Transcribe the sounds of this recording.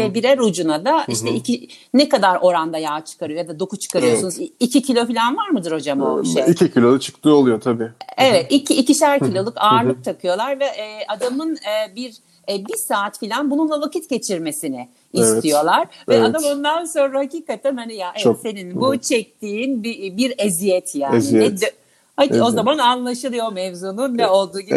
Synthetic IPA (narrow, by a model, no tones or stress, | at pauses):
vɛbiɾæɾud͡ʒunad̪aiʃt̪ɛicʰinɛkad̪aɾo̞ɾand̪ajaːt͡ʃʰɯ̥kʰaɾɯjojad̪ad̪o̞kuzt͡ʃʰɯ̥kʰaɾɯjosunuzicʰicʰilʲo̞filʲænvaɾmɯd̪ɯɾho̞d͡ʒama̰iʃeicʰicʰilʲo̞lˠut͡ʃʰɯ̥kt̪ʰɯːolˠujo̞t̪ʰabiːevɛt̪icʰiːciʃæɾcʰilʲo̞lˠukʰaːɾlˠɯk̚t̪ʰakʰɯjo̞lˠaɾvɛʔːad̪amɯnɯːbiɾ | bisaːt̪filʲanbununlˠavakit̪ɟe̞t͡ʃʰiɾme̞sinɪ | istt̪ʰijo̞lˠaɾ̥vɛad̪amo̞nd̪anso̞nɾahaciːkat̪ʰænhanijaʔese̞ninbut͡ʃʰɛc̚t̪ʰiːnbibiɾezijɛt̪ʰjaːniɛd̪ | hao̞zamananlˠaʃɯlˠɯjo̞mɛvzuːnunːɛo̞lˠd̪uːɟi